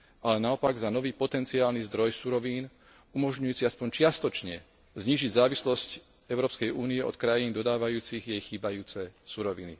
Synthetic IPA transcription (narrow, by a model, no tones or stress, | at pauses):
alɛnaɔpaɡzanɔʋiːpɔt̪ɛnt͡siaːlnizd̪ɾɔjsuɾɔʋiːn | umɔʒɲujuːt͡siaspɔɲt͡ʃɪast̪ɔt͡ʃɲɛ | zɲiːʒiɟzaːʋislɔsc | ɛʊɾɔːpskɛjuːniɛɔ̰t̪kɾajiːnd̪ɔd̪aːʋajuːt͡siɣjɛjxiːbajuːt͡sɛsuɾɔʋḭnḭ